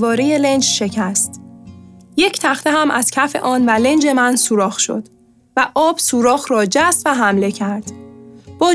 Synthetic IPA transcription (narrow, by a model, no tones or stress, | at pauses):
vɒːɾeje̞le̞nd͡ʒʃe̞cʰæst̪ | je̞cʰt̪ʰæχt̪ʰeɦæmʔæz̥cʰæfe̞̰ʔɒːnvæle̞nd͡ʒe̞mænsuːɾɒːxʃo̞̰d̪̥ | væʔɒːb̥suːɾɒːɣɾɒːd͡ʒæst̪væɦæmle̞cʰæɾd̪̥b̥ɒː